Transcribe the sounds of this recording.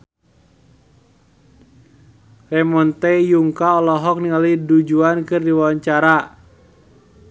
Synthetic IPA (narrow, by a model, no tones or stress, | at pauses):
rɛmɔnt̪ɛjuŋkaɔlɔɦɔk̚niŋalidud͡ʒuankɨrdiwawaɲt͡ʃaɾa